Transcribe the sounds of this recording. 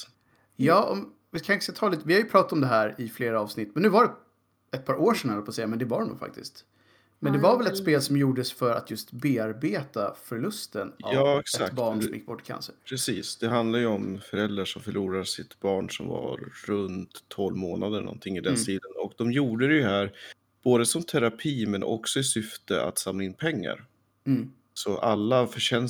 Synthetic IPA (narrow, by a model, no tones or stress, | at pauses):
jɑːʔɔ̰m | vɪkʰaɪt̪əskat̪ʰɑːliːt̪əvɪhaɾjɵpʰɾɑːt̪at̪ɔmd̪ɛɦæːɾɪfleːɾaɑːvsnɪt̪ːmɛnːʉːvaɖɛ | ɛt̪̚pʰɑːɾʔoːʂɛnhalpɔːsɛjːamɛnd̪ɛvaɾɛmnṵɡfa̰k̚t̪ɪ̰st̪ | mɛnd̪ɛvaɾvɛlɛt̪speːlsɔmjuːɖəsfœɾa̰t̪ʰjɵst̪beːaɾbeːt̪afœɾɭɵst̪əna̰vɑːɛksɛakbɑːɳɔmjɪk̚ːbɔʈːɪ̥kʰa̰nsəɾpʰɾɛsiːsd̪ɛɦand̪laɾjəɔmfœɾɛld̪ɾaʂɔmfœɭuːɾasɪt̪bɑːɳʂɔ̰mva̰ɾɾɵnt̪ʰːɔlvmoːnad̪əɳʔɔ̰nt̪ʰɪŋːɪd̪ɛnsiːd̪ənɔkd̪ɔmjuːɖəɾɛjɵɦæːɾ | b̥oːd̪əsɔmt̪ʰæɾapʰiːmɛnʔɔ̰ksɔɪsʏft̪əa̰t̪samlaɪnːpʰɛŋːa̰ɾ | sɔʔalːafœʂɛn